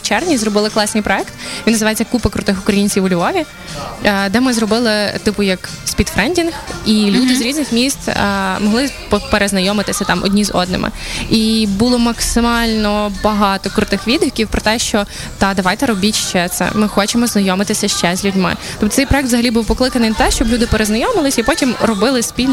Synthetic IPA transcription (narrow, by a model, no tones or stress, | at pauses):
wt͡ʃɛrʋnʲizɾɔbɪlˠɪklˠɑsnɨjpɾɔɛkt̪ʋʲinɐzɨʋɑjet͡sʲːɐkupɐkɾʊt̪ɪxʊkɾɐjinʲt͡sʲiʋʊlʲʋɔʋʲi | d̪ɛmɪzɾɔbɪlˠɪt̪ɪpʊjɐksʲpʲit̪fɾɛnʲdʲinxilʲud̪ɪzɾʲiznɪxmʲist̪ːmɔɦlˠɪppeɾeznɐjɔmɪt̪ɪsʲɐt̪ɑmʔɔ̰dʲnʲizɔ̰d̪nɪ̰mʔɪ̰ibulˠɔmɐksɪmɑlʲnɔbɐɦɑt̪ɔkɾʊt̪ɪxʋʲid̪ʋʲikʲiwpɾɔt̪ɛʃt͡ʃɔ | t̪ɑd̪ɐʋɑjt̪ɛɾɔbʲitʲʃt͡ʃɛt̪sɛ̰mɪxɔt͡ʃemɔznɐjɔmɪt̪ɪsʲɐʃt͡ʃɛzʲlʲʉdʲmɪ̰t̪ɔpt̪sɛjpɾɔɛk̚t̪zɐɦɐlʲibuwpɔklˠɪkɐnɪjnɐt̪ɛʃt͡ʃɔblʲud̪ɪpeɾeznɐjɔmɪlˠɪsʲipɔtʲimɾɔbɪlˠɪsʲpʲilʲn